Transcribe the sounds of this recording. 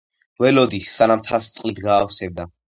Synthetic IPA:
vɛlɔd̪isanamt̪ʰast̪sʼqʼnit̪ɡaːfsɛbd̪a

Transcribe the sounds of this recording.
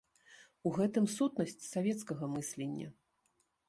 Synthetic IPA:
uɣɛt̪ɨmsut̪nɐsʲt͡sʲsavʲɛt̪skɐɣɐmɨsʲlʲenʲːɐ̰

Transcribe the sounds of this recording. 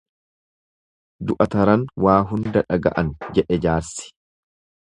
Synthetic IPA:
d̪ʊʔɐt̪ɐɾɐnwaːɦʊnd̪ɐᶑɐɡɐ̰ʔɐnd͡ʒɛᶑɛd͡ʒaːɾsɪ̥

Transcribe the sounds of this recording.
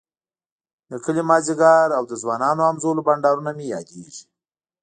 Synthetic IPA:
d̪əkəlimɑziɡɑɾawd̪əzwɑnɑnoamzolobaɳɖɑɾunamejɑ̰d̪eʒi̥

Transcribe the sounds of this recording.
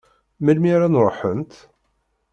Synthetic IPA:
məlmiɾænɾˤoħənt̪

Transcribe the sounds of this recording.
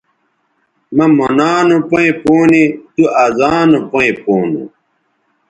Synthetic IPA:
mɐmonaːnopɐĩpoːnit̪uazaːnopoĩpoːnṵ

